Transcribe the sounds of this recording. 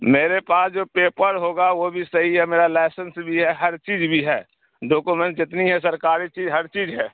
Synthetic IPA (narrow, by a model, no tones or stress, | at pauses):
meːɾepaːsd͡ʒoːpeːpəɾɦoːɡaʋobʱisɐɦiɦɛmeːɾalaɪsənsbʱiɦɛɦɐɾt͡ʃiːd͡ʒbʱiɦɛː | ɖoːkumẽɳʈ̚d͡ʒɪt̪niɦɛs̬əɾkaːɾit͡ʃiːzɦɐɾt͡ʃiːd͡ʒɦɛː